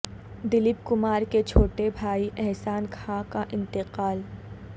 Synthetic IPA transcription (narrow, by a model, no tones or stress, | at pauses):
d̪ɪlɪp̚kʊmaːɾket͡ʃʰoːʈebʱaːiʔɛɦsaːnkʰãkaʔɪ̃nt̪ɪqaːl